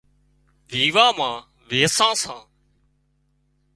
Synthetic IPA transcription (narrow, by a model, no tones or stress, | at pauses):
ʋʱiːʋaːmãː | ʋeːsãːsãː